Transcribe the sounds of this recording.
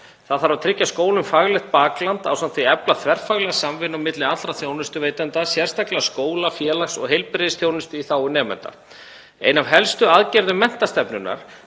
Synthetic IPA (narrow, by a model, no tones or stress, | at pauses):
θaðθaɾvawt̪ʰɾɪcːaskoːwlʏmfaɣlɛxt̪̚paːklant̪awsamt̪viɛplaθvɛɾ̥faɣlɛɣasamvɪnamɪt̪lɪḁɾaθjownɪst̪ʏvejt̪ant̪asjɛr̥st̪aklaskoːwlafjɛːlaksɔ̰ɣɦejlpɾɪðɪsθjoːwnɪst̪ʏiθaːwʏnɛːmɛ̰nt̪a̰ | ḛːjnavɦɛlst̪ʏaðcɛɾðʏmɛn̥t̪ast̪ɛpnʏnːa̰ɾ̥